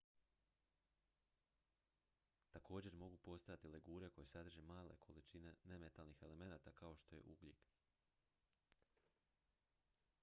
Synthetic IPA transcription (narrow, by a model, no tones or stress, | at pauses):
t̪ako̞ːd͡ʑe̞ɾmo̞ɡupo̞st̪ajat̪ileɡuːɾe̞ko̞jesad̪r̩ʒemaːlḛkʰo̞lit͡ʃine̞ne̞me̞t̪alnixe̞le̞me̞naːt̪akao̞ʃt̪o̞je̞̰ʔuɡlʲḛk